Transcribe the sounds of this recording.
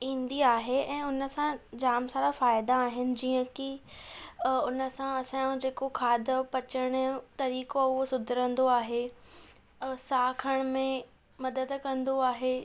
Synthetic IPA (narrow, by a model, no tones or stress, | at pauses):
ĩːnd̪iaːɦeɛ̃ːʊnəsãd͡ʑaːmsaːɾafaːɪd̪aːɦɪnɪ̆d͡ʑiːə̃ki | ʊnəsãɐsãd͡ʑeːkokʰaːd̪ə̆pɐt͡ɕəɽ̃t̪ɐɾiːkoʊɦosʊd̪ʱɪɾə̃nd̪oaːɦe | saːkʰəɽ̃mẽ | mɐd̪əd̪kɐ̃nd̪oaːɦe